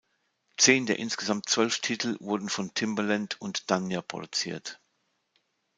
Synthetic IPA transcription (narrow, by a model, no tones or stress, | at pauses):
t͡seːndeːɐʔɪnsɡ̥əzamtt͡sv̥œlftʰitʰl̩vʊɐdn̩fɔntʰɪmbəlantʰʊntd̥anjapʁ̥o̰dut͡sḭːɐt